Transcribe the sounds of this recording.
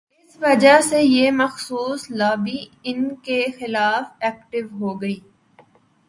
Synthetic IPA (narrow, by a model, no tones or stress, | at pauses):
ɪsʋɐd͡ʒasejemɐxsuːslaːbiɪnkexɪlaːfɛːkʈɪʋɦoːɡɐiː